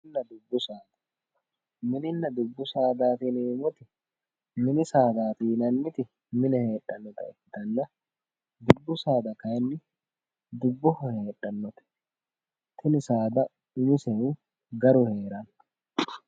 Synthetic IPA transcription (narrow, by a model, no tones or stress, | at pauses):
nːɐd̪ʊbːʊsaːd̪ɐ̥ | mɪnɪnːɐd̪ʊbːʊsaːd̪aːt̪iːneːmʊt̪ɪ | mɪnɪsaːd̪aːt̪iːnɐnːɪt̪ɪ | mɪnɛhe̞ːᶑʼɐnːɔt̪ɐ̰ɛkːɪt̪ɐnːɐ | d̪ʊbːʊsaːd̪ɐkɐjɛnːɪ | d̪ʊbːʊhɔheːᶑʼɐnːɔt̪ɛ̥ | t̪ʰɪnɪsaːd̪ɐ | ʊmɪsɛu | ɡɐɾʊhe̞ːɾɐn